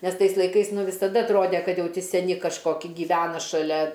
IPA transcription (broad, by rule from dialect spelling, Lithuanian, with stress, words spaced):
ˈnʲɛs ˈtɐɪs lˠɐɪˈkɐɪs ˈnʊ ʋʲɪsɐˈdɐ ɐtˈroːdʲɛ ˈkɐt ˈjɛʊ ˈtʲɪ sʲɛˈnʲɪ kɐʃˈkoːkʲɪ ɡʲiːˈʋʲæːnɐ ʃɐˈlʲɛ